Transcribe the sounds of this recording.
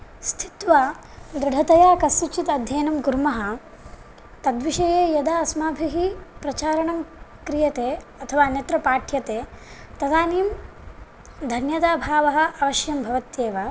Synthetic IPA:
st̪ʰi̥t̪ʋaː | d̪ɾɪɖʱɐt̪ɐjaːkɐsːut͡ʃit̪ɐd̪ʱjɐːnɐmɡuɾmɐɦɐ̆ | t̪ɐd̪ʋiʃɐjeːjɐd̪aːɐsmaːbʱiɦipɾɐt͡ʃaːɾɐɳɐmkɾijɐt̪eːɐt̪ʰɐʋaːnjɐt̪ɾɐpaːʈʰjɐt̪eː | t̪ɐd̪aːniːm | d̪ʱɐnjɐt̪aːbʱaːʋɐɦɐ̆ɐʋɐʃjɐmbʱɐʋɐt̪jeːʋɐ

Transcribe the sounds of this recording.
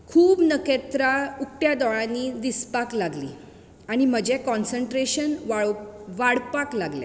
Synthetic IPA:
kʰuːbnəket̪ɾauk̚ʈjad̪ɔɭãnːiːd̪ispaklaɡlḭː | aɽ̃im̤əd͡ʑekɔnsəɳʈɾeɕənʋaɭʋaɽpaklaɡlɛ̰

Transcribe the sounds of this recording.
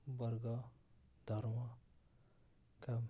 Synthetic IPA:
bʌɾɡʌ | d̪ʱʌɾmʌ | kam

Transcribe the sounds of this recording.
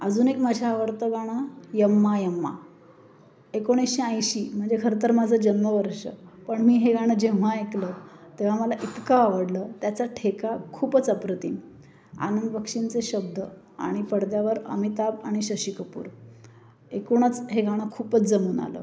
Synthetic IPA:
əd͡zuːnekmad͡ʑʱjaːʋəɾt̪əɡʱaɽ̃ajəmːajəmːa̰ | ekoɽ̃iɕiə̃jɕiːm̤əɳd͡zekʰəɾət̪əɾmad͡zʱəd͡ʑənməʋəɾʂə̰pəɳmiːɦeɡʱaɽ̃əd͡ʑeʋ̤aeklət̪eʋ̤aməlaʔit̪kaːʋəɽlət̪jat͡saʈʰekakʰuːpət͡səpɾət̪ḭm | a̰nəmbəkʂint͡seɕəb̚d̪ʱə | a̰ɽ̃ipəɽd̪jaʋəɾə̰mit̪abaɽ̃iɕəɕikʰəpṵːɾ | ekoɳ̃ət͡sɦeɡʱaɽ̃akʰuːpət͡sd͡zəmuːna̰lə̰ː

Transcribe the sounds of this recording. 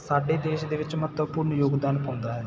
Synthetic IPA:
sɐɖːeːd̪eːʃɐd̪eʋɐt͡ʃːɐmɐt̪ːɐʋpuːɾnujoːɡd̪aːnipond̪aːɾ

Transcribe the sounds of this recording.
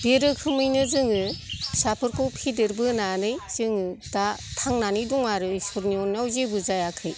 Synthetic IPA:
beɾɯkʰɯmɯjnɯzɯŋɯsapʰɯɾkʰɔwpʰidɯɾbɯnanɯjz̥ɯŋɯdatʰaŋnanidɔŋaɾɯsɔɾniɔnawzebɯzajakʰɯj

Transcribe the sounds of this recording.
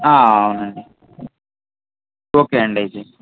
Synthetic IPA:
aːɐwnɐɳɖi | oːkeɐɳɖɐjte

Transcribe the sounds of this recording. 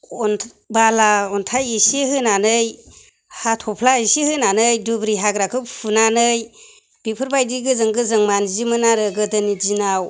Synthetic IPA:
ɔnʰ | balaɔntʰajisihɯnanɯj | hatʰɔpʰlaisihɯnanɯjdubɾiɦaɡɾakʰɯpʰunanɯj | b̥ipʰɯɾbajdiɡɯzɯŋɡɯzɯŋmanzimɯnaɾɯɡɯdɯnid͡ʒinaw

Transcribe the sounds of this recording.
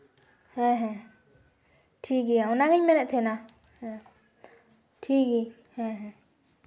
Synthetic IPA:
hɛɦɛ̃ | tʰiɡiaũnaɡeɲmɛ̃nɛ̃t̪ʰẽna | hɛ | tʰiɡi | hɛ̃ɦɛ̃

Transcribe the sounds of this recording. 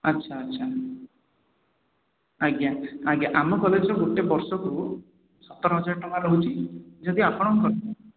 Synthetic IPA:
ʌtːʃʰaːtːʃʰa | aɡjaaɡjaʔamɔkɔled͡ʒɔɡoʈebɔɾsɔku | sɔt̪ːɔɾɔɦɔd͡ʒaɾʈɔkalout͡ʃʰid͡ʒɔd̪iapɔɽ̃ɔŋkɔɾ

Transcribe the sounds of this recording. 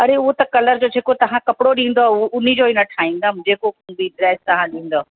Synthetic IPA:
ɐɾeʊɦot̪ɐkɐləɾd͡ʑoːd͡ʑʱeːkot̪ɐʋ̤ãkɐpɪɽoɗĩːn̆d̪oʔʊn̤id͡ʑoːɪnɐʈʰaːĩːn̆d̪amd͡ʑeːkokunb̪iɖɾɛːst̪ɐɦãɗĩːn̆d̪o

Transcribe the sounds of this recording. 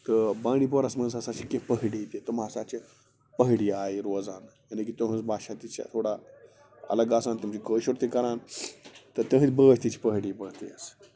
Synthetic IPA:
t̪əbãːɽ̃iːp̬oɾasməñzasat͡ɕikepəɦɽit̪et̪umasat͡ɕe | pəɦɽiaːiɾod͡zanjanɐkit̪oɦə̃t͡sbaːʃat̪it͡ɕa̰t̪ʰoːɽa | ɐ̰ləɡasant̪umt͡ɕikəɕuɽt̪ekɐɾant̪ət̪ə̃ɦə̃t͡sbəst̪it͡ɕi̥pəɦɽipəɽt̪ḛəs

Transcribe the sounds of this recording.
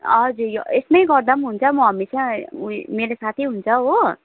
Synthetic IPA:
ʌd͡zujoesmajɡʌɾd̪ʌmɦunt͡sʰʌmuɦʌmisʰãumeɾosat̪ʰiɦunt͡sʰʌɦo

